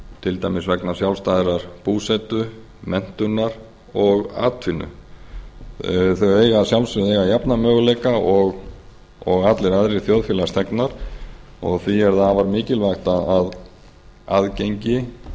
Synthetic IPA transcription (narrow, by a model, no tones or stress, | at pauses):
t̪ʰɪlt̪ajmɪsvɛknasjawlst̪ajðɪɾaɾ̥puːsɛt̪ʏ | mɛn̥t̪ʏnaɾ | ɔɣa̰ːt̪ʰvɪnːʏ̰ | θœɥɣeːjɣasjawlsɪðejɣajapnamœːɣlejkaɔɣ | ɔɣat̪lɪɾaðɾɪθjoðfjɛːlast̪ʰɛknaɾ̥ | ɔɣθviɛɾθavaɾmɪːcɪlvajxt̪aað | aðcejɲcɪ